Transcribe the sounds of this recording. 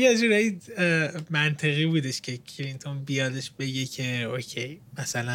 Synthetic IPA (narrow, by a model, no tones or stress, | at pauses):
jed͡ʒuːɾɒji | mænt̪ʰe̞ɣiːbuːd̪eʃcʲʰe̞kʰɾint̪ʰonbijɒːd̪e̞ʃbe̞ɟecʰe̞ocʰe̞jmæsælæ